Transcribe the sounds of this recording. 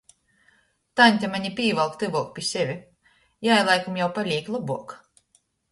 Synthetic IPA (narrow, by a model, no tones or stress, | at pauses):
t̪anʲt̪ʲamaɲʲipʲiːvalˠkt̪ɨvuɔk̚pʲisʲevʲi | jajlˠajkumjawpalʲiːklˠabuɔk